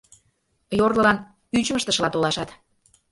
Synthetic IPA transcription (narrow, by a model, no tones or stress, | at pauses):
jorlə̆lɑn | yt͡ɕməʃt̪ə̆ʃəlɑt̪olɑʃɑt̪